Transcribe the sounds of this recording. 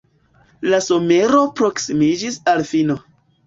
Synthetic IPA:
laso̞me̞ɾo̞pɾo̞ksimid͡ʒisalfino̞

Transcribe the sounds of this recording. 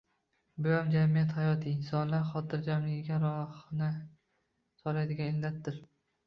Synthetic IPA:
bʊjamd͡ʒamijat̪hajɒt̪ʰɪːnsɒnlaɾχɒt̪ʰɪɾd͡ʒamlɪɡʲɪɡʲaɾɒhnɪ | sɒlajd̪ɪɡʲanɪllat̪ːɪɾ

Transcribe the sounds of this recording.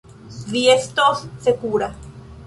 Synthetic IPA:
viest̪osːekuɾa

